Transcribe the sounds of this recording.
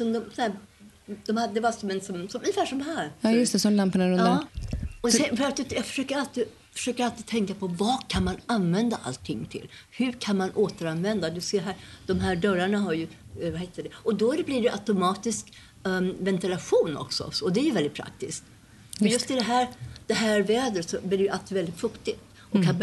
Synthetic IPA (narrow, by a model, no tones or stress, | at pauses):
sɔmd̪ɔmsɔnæː | d̪ɔmhad̪ɛvasɔmɛnsɔmsɔmʔɵnɪfæːʂɔmɦæːɾɑːjɵst̪ɛsɔmlampaɳaɾɵnd̪aɔɛfœɾat̪̚d̪ɵjɑːɡfœ̥ʂøːkəɾalt̪i | fœ̥ʂøːkəɾalt̪iːt̪ʰɛŋkapʰɔvɑːkʰanmananvɛnd̪aʔa̰lt̪ʰːɪŋːt̪ʰɪ̰lːhɵkʰanmanʔoːt̪əɾanvɛnd̪ad̪ɵseːɾɦæːɾd̪̥ɔmɦæːɖœɾaɳaɦaɾjɵvaheːt̪ːəɖ̪ɛɔd̪ɔæɾbliːɖɛɛʔat̪ʊmɑːt̪ɪsk | vɛnt̪ɪlaɧuːnɔ̰ksɔ̰sɔd̪ɛæjɵvɛlɪt̪pʰɾa̰k̚t̪ɪskt̪ | ɔjɵst̪ɪd̪ɛɦæːɾd̪̥ɛɦæːɾvɛːd̪ɾət̪sɔbliɾɛjɵalt̪ivɛlɪt̪fɵkt̪ɪt̪ | ɔkʰa